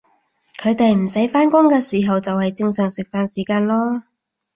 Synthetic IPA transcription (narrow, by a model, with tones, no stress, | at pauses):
kʰɵ˨˧ɥt̪e˨jm̩˨˩sɐ˨˥jfaː˥nkʊ˥ŋkɛː˧siː˨˩ɦɐ˨wt͡sɐ˨whɐ˨jt͡sɪ˧ŋsœː˨˩ŋsɪ˨k̚faː˨˧nsiː˨˩kaː˧nlɔː˥